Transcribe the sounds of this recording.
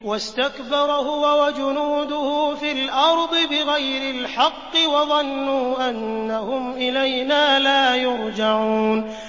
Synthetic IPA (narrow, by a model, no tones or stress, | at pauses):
wast̪akbɑɾˤhʊwawad͡ʒʊnuːd̪ʊhʊfilʔɑɾˤd̪ˤɨbɪɣajɾɪlħɑqːɨwɑðˤɑnːuːʔanːahʊmʔɪlajnaːlaːjʊɾd͡ʒaʕuːn